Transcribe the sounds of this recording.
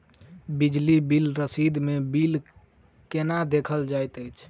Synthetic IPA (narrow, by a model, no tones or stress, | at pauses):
bid͡ʒlibilɾəsid̪mebil | kenad̪ekʰəld͡ʒajt̪əjt͡ʃʰ